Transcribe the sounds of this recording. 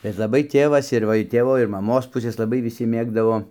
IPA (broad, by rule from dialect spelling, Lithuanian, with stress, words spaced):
bʲɛt lˠɐˈbɐɪ ˈtʲeːʋɐs ɪr ˈʋɐ ɪr ˈtʲeːʋoː ɪr mɐˈmoːs ˈpʊsʲeːs lˠɐˈbɐɪ ʋʲɪˈsʲɪ ˈmʲeːɡdɐʋoː